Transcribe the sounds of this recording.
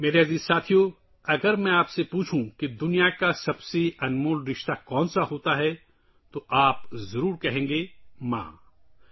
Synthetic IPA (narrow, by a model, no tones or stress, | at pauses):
meːɾeɦɐziːzsaːt̪ʰijo | ɐɡəɾmɛ̃aːpsepuːt͡ʃʰũked̪ʊnijakasɐbseɐnmoːlɾɪʃt̪akɔ̃ːnsaɦoːt̪aɦɛ | t̪oʔaːpzɐɾuːɾkɐɦẽːŋɡeːmã̰ː